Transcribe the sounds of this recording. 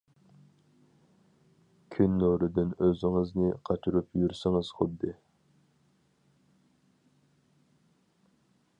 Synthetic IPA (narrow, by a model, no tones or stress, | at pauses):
kʲʰynːoɾɨd̪ɪnøzɪŋɪznɪqʰɑt͡ʃʰuɾupjyɾsɪŋɪz̥χʊd̪ːɨ